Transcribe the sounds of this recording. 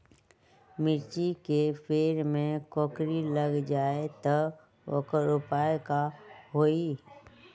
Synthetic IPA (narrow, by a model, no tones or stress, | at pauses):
mɪɾt͡ʃikefʰeːɾmẽkɔːkɾiləɡd͡ʒaːet̪ə | o̰kɾʊpaːekaɦoːi